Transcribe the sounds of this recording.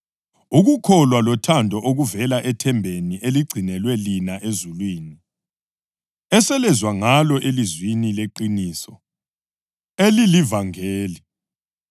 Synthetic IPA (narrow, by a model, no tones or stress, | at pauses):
uɣukʰɔlwalɔtʰandʱɔʔoɣuvɛlaʔɛtʰɛmbʱeniʔeliɡ͡ǀʱinɛlwɛlinaʔezulwiːni | ɛsɛlɛzwaŋalɔʔelizwinileǃiniːsɔ | elilivaŋeːli